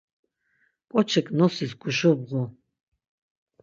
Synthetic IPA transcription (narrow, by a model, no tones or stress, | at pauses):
kʼɔt͡ʃʰɛkʰʼnɔsisɡuʃubʁu